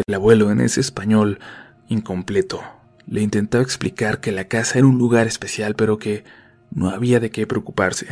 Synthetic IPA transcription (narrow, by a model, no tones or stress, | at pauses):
elaβwe̞lo̞enʔḛse̞ːspaɲo̞l | iŋko̞mple̞t̪o̞ | le̞int̪e̞nt̪aβaeksplikaɾke̞lakasaeɾaunluɣaɾe̞spe̞sjalpe̞ɾo̞ke̞ | no̞̰aβiaðe̞ke̞pɾe̞okupaɾse̞̥